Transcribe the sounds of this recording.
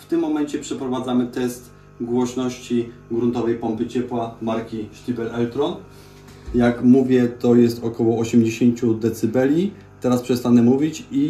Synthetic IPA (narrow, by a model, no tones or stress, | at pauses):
ft̪ɘmːɔmɛɲt͡ɕɛpʂɛpɾɔvad̪zamɘt̪ɛst̪ | ɡwɔɕnɔɕt͡ɕiɡɾunt̪ɔvɛjpɔmpɘt͡ɕɛpwamaɾkʲiʃt̪ʲibɛlɛlt̪ɾɔn | jakmuvʲjɛt̪ɔjɛst̪ɔkɔwɔːɕɛmd͡ʑeɕeɲt͡ɕud̪ɛt̪sɘbɛlʲi | t̪ɛɾaspʂɛst̪anɛmuvʲit͡ɕi